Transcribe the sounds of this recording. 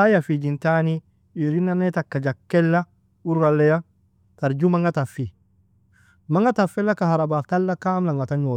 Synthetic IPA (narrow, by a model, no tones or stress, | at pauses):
ajafid͡ʒintani | iɾinanetakːad͡ʒakːɛlːa | uɾɡalːɛja | taɾd͡ʒumaŋɡatafːi | maŋɡatafɛlːakahaɾabaftalːakaːmlaŋɡataɲo